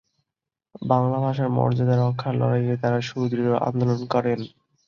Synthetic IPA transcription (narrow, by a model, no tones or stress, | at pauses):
baŋlabʱaʃaɾmɔ̰ɾd͡ʑad̪aɾɔkʰːaɾlɔ̰ɾajɾet̪aɾaʃud̪ɾiɾoʔa̰nd̪olonkɔɾen